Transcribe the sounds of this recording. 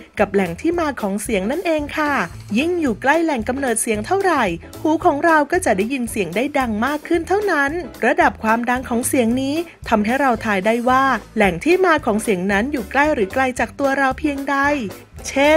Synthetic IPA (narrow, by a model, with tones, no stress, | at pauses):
ka˨˩p̚lɛ˨˩˦ŋt̪ʰiː˥˩maː˧kʰɔː˩˦ŋsi˨˩˦əŋna˥˩nʔeː˧ŋkʰa˥˩ | ji˥˩ŋjuː˨˩kla˥˩jlɛ˨˩ŋka˧mnɤː˨˩t̪̚si˨˦əŋt̪ʰa˥˩wɾa˨˩j | huː˩˦kʰɔː˩˦ŋɾa˧wkɔː˥˩t͡ɕa˨˩daː˥˩ji˧nsi˨˩˦əŋdaː˥˩jda˧ŋmaː˥˩kʰːɯ˥˩nt̪ʰa˥˩wna˦˥nɾa˧da˨˩p̚kʰwaː˧mda˧ŋkʰɔː˩˦ŋsi˩˦əŋniː˦˥ | t̪ʰa˧mɦa˥˩jɾa˧wt̪ʰaː˧jda˥˩jwaː˥˩lɛ˨˩ŋt̪ʰiː˥˩maː˧kʰɔː˩˦ŋsi˩˦əŋna˦˥njuː˨˩kla˥˩jɾɯː˩˦kla˧jt͡ɕaː˨˩k̚t̪u˧ɐɾa˧wpʰi˧əŋda˧˩j | t͡ɕʰe˥˩